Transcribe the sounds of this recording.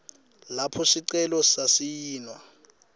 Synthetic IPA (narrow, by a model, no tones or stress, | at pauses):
lapʰɔsiǀɛlɔsasijiːnwa